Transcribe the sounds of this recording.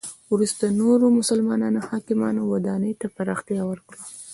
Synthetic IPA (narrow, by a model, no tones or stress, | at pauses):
wɾust̪anoɾomʊsalmɑnɑnohɑkɪmɑnowad̪ɑnəjt̪apaɾɑxt̪jɑwəɾkɽa